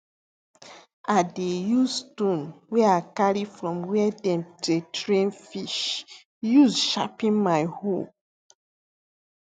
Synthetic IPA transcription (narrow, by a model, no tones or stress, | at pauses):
adejustõnwɛakaɹifɹɔ̃mwɛdɛ̃mtetʰɹẽnfiʃ | jusʃapĩnmaɪhop